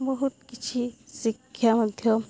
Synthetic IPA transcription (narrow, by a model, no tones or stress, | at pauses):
bɔɦut̪kit͡ʃʰisikʰːjamɐd̪ʱjɔ